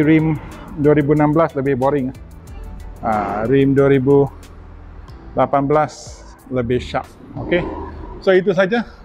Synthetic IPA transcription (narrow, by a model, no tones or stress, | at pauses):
ɾim | duaɾibunãmbəlasləbɪhboɾɪŋ | aɾimduaɾibu | lapanblas | ləbɪhʃap̚okesoit̪̬us̬ad͡ʒa